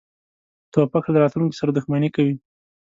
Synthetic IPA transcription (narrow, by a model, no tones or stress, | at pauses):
t̪opaxlaɾɑt̪luŋki̥saɾad̪ʊxmanikawi